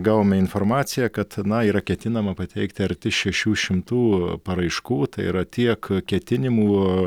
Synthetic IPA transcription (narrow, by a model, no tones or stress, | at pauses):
ɡɑːʋoːmʲɛɪnfoːrmɑːt͡s̪ʲɪjɛkɐt̪nɐiːɾɐkʲɛt̪ʲɪnɐmɐpɐt̪ʲɛɪkt̪ʲɐɾʲt̪ʲɪʃʲɛʃʲuːʃʲɪmt̪uːpɐɾɐɪʃkuːt̪ɐɪḭɾɐt̪ʲiɛkkʲɛt̪ʲɪnʲɪmuː